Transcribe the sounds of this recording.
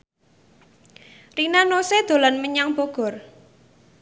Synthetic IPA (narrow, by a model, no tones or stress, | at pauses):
rinanosed̪̥o̤lanməɲaŋb̥oɡ̥ɔ̤r